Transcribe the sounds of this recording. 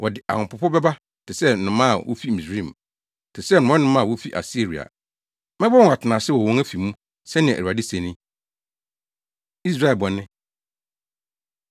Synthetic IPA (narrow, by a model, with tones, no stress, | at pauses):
wɔ˨dɪ˨ʔa̰˨hʊ̃˨pʊ˨pʰʊ˦bɛ˦ba˦˨tʰɪ˨sɛ˦˨nʊ̃˨˦mã̰˦˨wo̰˦fi˦˨mĩ˨sɾĩ˦˨m˨ | tʰɪ˨sɛ˦˨nʊ̃˨˦ɔ̃˦nʊ̃˦mã˦˨wo˦fi˦ʔa̰˨si˦˨ɾi˨a̰˨ | mɪ̃˦bɔ˦˨a˨tʰɪ˨nã˨sɪ˦wɔ˨wɔ̃˦ŋæ˦fi˨mũ˦ | sɛ˦nɪ̰̃˨a˨di˦sẽ˨nĩ˦ | i˦s̬ɾa˦˨ɛ˨lbɔ˨nɪ̃˦